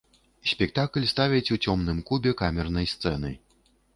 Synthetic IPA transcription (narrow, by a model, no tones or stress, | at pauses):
sʲpʲɛk̚t̪aklʲst̪avʲɛt͡sʲut͡sʲɔmnɨmkubʲɛkamʲɛrnɐjst̪sɛnɨ̰